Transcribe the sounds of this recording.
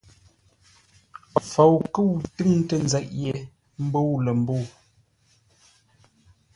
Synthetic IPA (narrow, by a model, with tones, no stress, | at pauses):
fo˨wkə˦wtɨ˦ŋ̩˦tə˦˨n˨zɛ˨ʔje˨ | m̩˦bo˦wlə˨m̩˦bo˦˨w